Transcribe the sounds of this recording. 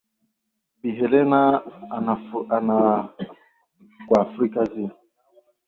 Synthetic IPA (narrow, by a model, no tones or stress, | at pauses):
biɦɛlɛnaaana | kwafɾikazi